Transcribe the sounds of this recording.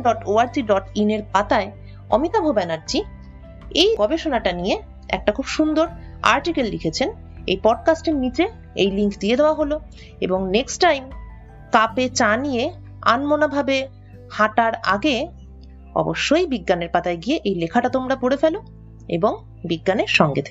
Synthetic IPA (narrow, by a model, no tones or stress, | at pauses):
ɖɔʈoaɾd͡ʑiɖɔʈineɾpat̪ae | ɔ̰mit̪abʱobɛnaɾd͡ʑi | ejɡɔbeʃonaʈanije | ɛ̰k̚ʈakʰubʃund̪oɾ | a̰ɾʈikellikʰet͡ɕʰen | ḛjpɔɖ̚kasʈeɾnit͡ɕe | ḛjliŋkd̪ied̪eoaɦolo | eboŋneksʈajm | kapet͡ɕanije | a̰nmonabʱabe | haʈaɾaɡe | ɔ̰boʃːojbiɡːaneɾpat̪aeɡieʔejlekʰaʈat̪omɾapoɾefelo | ḛboŋ | biɡːaneɾʃɔŋɡet̪ʰek